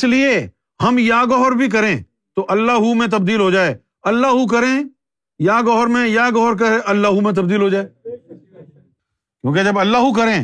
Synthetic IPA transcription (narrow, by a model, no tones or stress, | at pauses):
ɪslie | hɐmjaːɡɔɦɾbʱik̬ɐɾẽː | t̪oʔɐlːaːɦumẽt̪̬ɐbd̪iːlɦod͡ʒaːeː | ɐlːaːɦukɐɾẽ | jaːɡɔɦɾmẽjaːɡɔɦɾk̬ɐɾeʔɐlːaːɦumẽt̪̬ɐb̚d̪iːlɦod͡ʒaːeː | kjõːked͡ʒɐbɐlːaːɦuk̬ɐɾẽː